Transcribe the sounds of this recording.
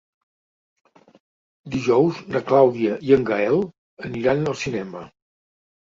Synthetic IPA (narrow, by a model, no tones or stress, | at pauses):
d̪iʒɔwznəklawðiəʔiəŋɡaɛlˠ | əniɾanəlˠsinɛmə